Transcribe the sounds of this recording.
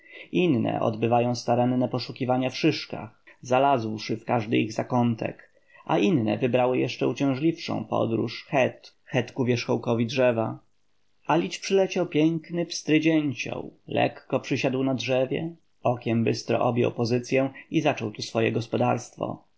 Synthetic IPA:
ʔinːɛ̰ʔɔ̰d̪bɘvajɔ̃w̃st̪aɾɛnːɛpɔʂukʲivaɲafʂɘʂka̰xzalazwʂɘfkaʐd̪ɘ̰iɣzakɔnt̪ʰɛ̰k | ʔa̰ʔinːɛ̰vɘbɾawɘjɛʂt͡ʂɛut͡ɕɛ̃w̃ʐlʲifʂɔ̰̃w̃pɔ̰d̪ɾṵʂxɛt̪ | xɛt̪kuvʲjɛʂxɔwkɔvʲidʐɛva | alʲit͡ɕpʂɘlɛt͡ɕawpʲjɛŋknɘpst̪ɾɘd͡ʑɛɲt͡ɕɔ̰wlɛ̰kːɔpʂɘɕad̪wnadʐɛvʲjɛ̰ | ɔkʲɛmbɘst̪ɾɔ̰ʔɔbʲjɔ̰wpɔzɘt̪sʲjɛw̃izat͡ʂɔwt̪usfɔjɛ̰ɡɔspɔd̪aɾst̪fɔ̰

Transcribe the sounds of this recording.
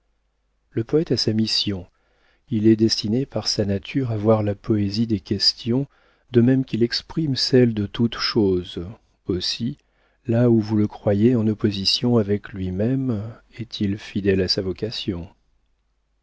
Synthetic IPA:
ləpɔɛt̪asamisjɔ̃ | ilɛd̪ɛst̪inepaʁsanat̪ʰyʁavwaʁlapɔezid̪ekʲɛst̪jɔ̃ | d̪̥əmɛmkʲilɛkspχimsɛld̪ət̪ut̪ʃoz | osi | lauvuləkχwajeɑ̃nɔpozisjɔ̃avɛklɥimɛmɛt̪ʰilfid̪ɛlasavɔkasjɔ̃

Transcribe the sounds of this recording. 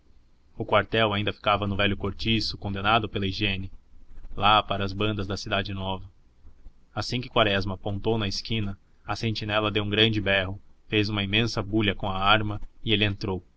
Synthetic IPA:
ʊkwaɾt̪ɛwaĩnd̪ɐfi̥kavɐnʊvɛʎjʊkoɾt͡ʃisʊkõnd̪enad̪ʊpelɐiʒẽnɪlapaɾɐːzbɐ̃nd̪ɐzd̪ɐsid̪ad͡ʒɪnɔvɐ | asĩkɪkwaɾɛzmɐpõnt̪ownɐɪskĩnɐ | ɐsẽnt͡ʃinɛlɐd̪ewũŋɡɾɐ̃nd͡ʒɪbɛɦʊfejzũmɐimẽsɐbuʎɐkõɐaɾmɐɪelɪẽnt̪ɾow

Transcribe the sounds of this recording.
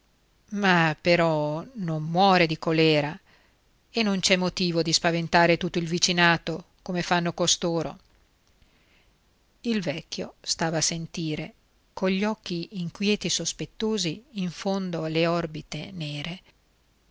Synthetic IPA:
mapeɾɔnomːwɔːɾed̪ikolɛːɾa | enːont͡ʃɛmːot̪iːvod̪ispavent̪aːɾet̪ut̪ːoilvit͡ʃinaːt̪o | komefanːokost̪oːɾo̰ | ilvɛkːjo̰st̪aːvaːsent̪iːɾe | koʎːɔkːiːŋkwjɛːt̪isospet̪ːoːziːɱfond̪oaleɔrbit̪eneːɾe

